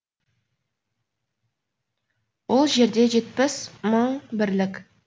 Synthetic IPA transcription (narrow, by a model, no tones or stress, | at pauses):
wo̞lˠʒe̞ɾd̪e̞ʒe̞t̪pɪsməɴbɪɾlɪkʲ